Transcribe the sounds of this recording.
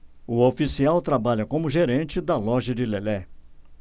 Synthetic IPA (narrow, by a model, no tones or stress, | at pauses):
ʊofisiawt̪ɾabaʎɐkõmʊʒeɾẽt͡ʃɪd̪ɐlɔʒɐd͡ʒɪlelɛ